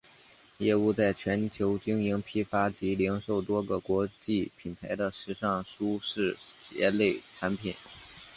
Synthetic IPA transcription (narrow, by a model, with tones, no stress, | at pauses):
jɛ˥˧u˥˧t͡sa˥˩ɪt͡ɕʰɥɛ˧˥nt͡ɕʰjo˧˥ʊt͡ɕi˥ŋi˧˥ŋpʰi˥fa˥t͡ɕi˧˥li˧˥ŋʂo˥˩ʊt̪wɔ˥ɡə˨kwɔ˧˥t͡ɕi˥˩pʰi˨˩np̪ʰa˧˥ɪd̪ə˧ʂɻ̩˧˥ʂɑ˥˩ŋʂu˥ʂɻ̩˥˩t͡ɕjɛ̰˧˥le˥˩ɪʈ͡ʂʰa˧˥npʰi˨˩˦n